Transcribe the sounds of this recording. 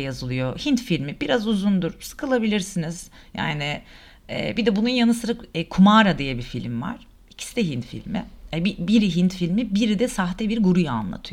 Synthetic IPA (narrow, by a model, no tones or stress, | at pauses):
jazɯlˠɯjo̞hint̪filʲmibiɾazuzund̪uɾ̥sɯ̥kʰɯlˠabilʲiɾsiniz̥ | ja̰ːnɪ | ɛ̰ːbid̪ɛbununjanɯsɯɾakːkʰumaɾad̪ijɛbifilʲimva̰ɾ̥ | icʰi̥sid̪ɛɦint̪fḭlʲmɪ̰ɛbibiɾiɦint̪filʲmibiɾid̪ɛsaɦt̪ɛbiɾɡuɾujaa̰nlˠa̰t̪ʰɯ